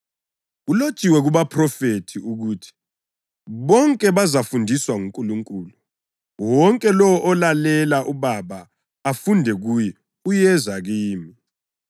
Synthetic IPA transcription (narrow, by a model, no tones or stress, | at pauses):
ɣulo̥t͡ʃʼiwɛɣuβapʰrɔfetʰiuɣuːtʰi̥ | βɔŋkʼɛβazafundʱiswaŋuŋkʼuluŋkʼuːlu | wɔŋkʼɛlɔwɔʔɔlalɛlaʔuβaβa | afundʱɛɣujɛ | ujɛzaɣiːmi